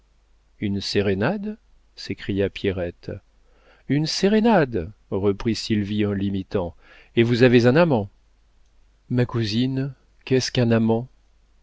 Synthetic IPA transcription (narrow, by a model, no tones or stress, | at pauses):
ynseʁenad̪ | sekχijapjeʁɛt̪ | ynseʁenad̪ʁəpχisilviɑ̃limit̪ɑ̃ | evuzavezɛ̃namɑ̃ | makuzin | kɛskɛ̃namɑ̃